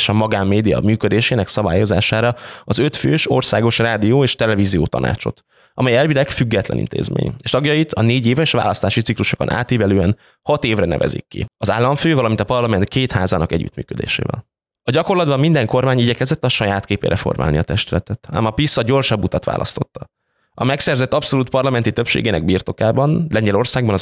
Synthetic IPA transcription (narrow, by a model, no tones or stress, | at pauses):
eʃɒmɒɡaːmːeːd̪ijɒ̰myːkød̪eːʃeːnɛksɒbaːjozaːʃaːɾɒɒzø̞t̪føːʃorsaːɡo̞ʃraːd̪ijoːeːʃt̪ɛlɛviːzijoːt̪ɒ̰nʔa̰ːt͡ʃo̞̰t̪ | ɒmɛjɛlvid̪ɛkfyɡːɛt̪lɛ̰nḭnt̪ḛːzmḛːɲeːʃt̪ɒɡjɒjit̪ʰɒneːɟeːvɛʃʋa̰ːlɒst̪aːʃit̪sikluʃoko̞̰nʔa̰ːt̪iːvɛløːɛn | hɒt̪eːvrɛnɛ̰vɛ̰zḭkːḭɒzaːlːɒɱføːvɒlɒmint̪ɒpɒrlɒmɛnt̪̚keːt̪haːzaːnɒkɛɟːy̰ːt̪my̰ːkød̪ḛːʃḛːvɛ̰l | ɒɟɒko̞rlɒd̪̚bɒmːind̪ɛŋko̞rmaːɲiɟɛkɛzɛt̪ːɒʃɒjaːt̪keːpḛːɾʔɛfo̞̰rma̰ːlniɒt̪ɛʃt̪ylɛt̪ɛt̪a̰ːmɒpisːɒɟo̞rʃɒbːut̪ɒt̪ʋa̰ːlʔɒ̰st̪o̞t̪ːɒ | ɒmɛksɛrzɛt̪ːɒpso̞luːt̪̚pɒrlɒmɛnt̪it̪øpʃḛːɡeːnɛɡ̚biːrt̪o̞kaːbɒnlɛɲɟɛlo̞rsaːɡ̚bɒnɒ